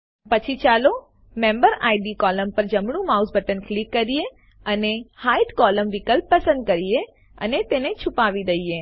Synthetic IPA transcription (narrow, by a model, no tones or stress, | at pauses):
pət͡ʃʰit͡ʃalo | mẽmbəɾaiɖikɔləmpəɾd͡ʒəmɳ̃ũmausbʱəʈənklikːəɾije | ənehaiʈkɔləmʋikəlpːəsə̃nd̪̚kəɾie | ə̰net̪enet͡ʃʰupaʋid̪əie